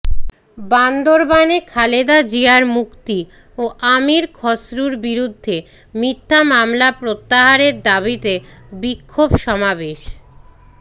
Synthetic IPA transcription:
band̪oɾbanekʰaled̪ad͡ʑiaɾmukt̪i | oʔamiɾkʰɔsɾuɾbiɾud̪ʱːe | mit̪ʰːamamlapɾot̪ːaɦaɾeɾd̪aβit̪ebikʰːobʃɔmabeʃ

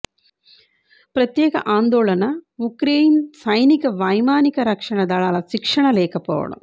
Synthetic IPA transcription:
pɾɐt̪jeːkɐ̰ʔaːnd̪oːɭɐnɐukɾeːjnsɐjnikɐʋɐjmaːnikɐɾɐkʂɐɳɐd̪aːɭaːlɐʃikʂɐɳɐleːkɐpo̰ːʋɐ̰ɽɐ̰m

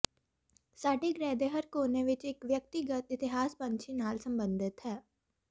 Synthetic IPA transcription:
saːɖeːɡɾɛːd̪eɦəɾkoːneʋɪt͡ʃɪkʋjək̚t̪iɡət̪ɪt̪ɪɦaːspə̃nt͡ʃʰinaːlsəmbənd̪ɪt̪ɦɛː

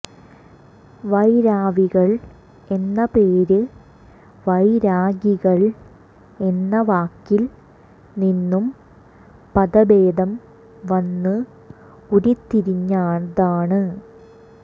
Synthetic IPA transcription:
ʋɐjɾaːʋiɣɐɭ | e̞nːɐpeːɾɨ | ʋɐjɾaːɡiɣɐɭ | e̞nːɐʋaːkːil | ninːum | pɐðɐbeːd̪ɐm | ʋɐnːɨ | uɾit̪ːiɾiɲːaːnðaːɳɨ

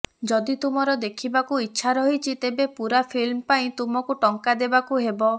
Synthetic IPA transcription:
d͡ʒɔd̪it̪umɔɾɔd̪ekʰibakuitːʃʰaɾɔɦit͡ʃʰit̪ebepuɾapʰilmpaĩt̪umɔkuʈɔŋkad̪ebakuɦebɔ

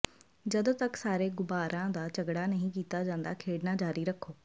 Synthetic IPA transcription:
d͡ʒəd̪ot̪əksaːɾeːɡʊbaːɾãːd̪aːt͡ʃəɡɽaːnəɦĩːk̬iːt̪aːd͡ʒãːnd̪aːkʰeːɽnaːd͡ʒaːɾiːɾəkʰːoː

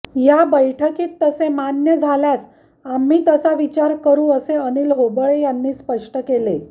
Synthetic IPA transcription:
jabəjʈʰəkiːt̪ːəsemanjəd͡zʱaljas | amːiːt̪əsaʋit͡ɕaɾkəɾuːəseəniːlɦobɭejanːiːspəʂʈəkele

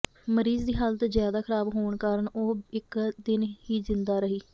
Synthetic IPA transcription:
məɾiːzd̪iːɦaːlt̪eːzjaːd̪aːkʰəɾaːbɦoːɳkaːɾəɳoːɪkd̪ɪnhiːzɪnd̪aːɾəɦiː

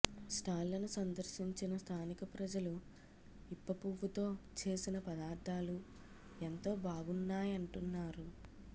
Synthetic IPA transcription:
sʈaːllɐnusɐnd̪ɐɾʂiɲt͡ʃinɐst̪ʰaːnikɐpɾɐd͡ʒɐlu | ipːɐpuʋːut̪o̞ːt͡ʃe̞ːsinɐpɐd̪aːɾd̪ʱaːlu | ent̪o̞ːbaːɡunːaːjɐɳʈunːaːɾu

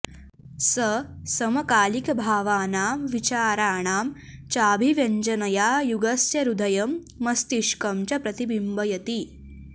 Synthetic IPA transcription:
sɐsɐmɐkaːlikɐbʱaːʋaːnaːmʋit͡ʃaːɾaːɳaːm | t͡ʃaːbʱiʋjɐɲd͡ʒɐnɐjaːjuɡɐsjɐɾud̪ʱɐjɐmː | ɐst̪iʃkɐmt͡ʃɐpɾɐt̪ibimbɐjɐt̪i

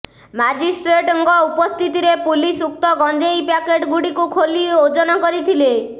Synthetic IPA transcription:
mad͡ʒisʈɾeʈɔŋɡɔupɔst̪ʰit̪iɾepulisuk̚t̪ɔɡɔnd͡ʒejpakeʈɡuɽikukʰoliod͡ʒɔnɔkɔɾit̪ʰile

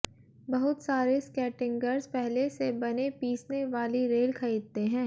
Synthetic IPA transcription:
bɐɦʊt̪saːɾeskɛːʈɪ̃ŋɡəɾzpɛɦlesebɐnepiːsneʋaːliɾeːlkʰɐɾiːd̪̚t̪eɦɛ̃ː

